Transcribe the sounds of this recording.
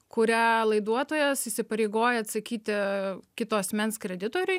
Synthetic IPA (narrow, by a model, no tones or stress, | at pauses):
kʊɾʲælˠɐɪd̪uɔt̪oːjɛsiːsʲɪpɐɾʲeɪɡoːjɛɐt̪sɐkʲiːt̪ʲɪkʲɪt̪oːɐsʲmʲɛnskɾʲɛd̪ʲɪt̪oːɾʲʊɪ